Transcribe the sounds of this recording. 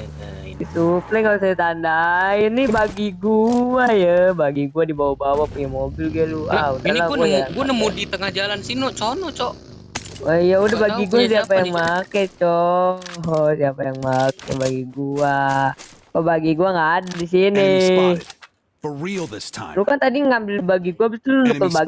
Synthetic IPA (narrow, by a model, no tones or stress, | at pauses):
isuplɛŋals̬ajat̪andajinibaɡiɡuajəbaɡiɡuadibawabawapuɲamobɪlɡilua̰udalaɡuajuanəmudit̪əŋahd͡ʒalansinɔʔt͡ʃɔnɔt͡ʃɔʔ | aijaudabaɡiɡuasiapajaŋmakɛt͡ʃɔ | siapajaŋmakabaɡiɡua | pabaɡiɡuaŋɡaːdadis̬ini | bəɹilˠðɪstʰã̰lukant̪adiŋambɪlbaɡiɡuabit̪ʊlnunuəlbaɡ